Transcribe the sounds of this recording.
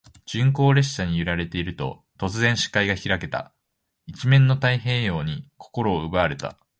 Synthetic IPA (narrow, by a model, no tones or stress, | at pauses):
d͡ʑ̥ɨ̃ŋko̞ːɾe̞ɕɕaɲ̟ijɯ̟ɾaɾe̞t̪e̞iɾɯ̟t̪o̞̰ | t̪o̞t͡sɨzẽ̞ɰ̃ɕi̥kaiɡaçiɾake̞t̪a̰ | it͡ɕimẽ̞nːo̞t̪aiɦe̞ːjo̞ːɲ̟ikʰo̞̥ko̞ɾo̞ːɯ̟baːɾe̞t̪a̰